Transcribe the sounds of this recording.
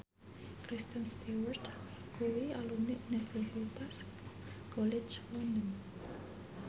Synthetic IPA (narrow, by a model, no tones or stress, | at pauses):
kɾist̪ənst̪iwɔrt̪ | kuwialuniʔunifərsit̪as | kɔled͡ʒlɔndən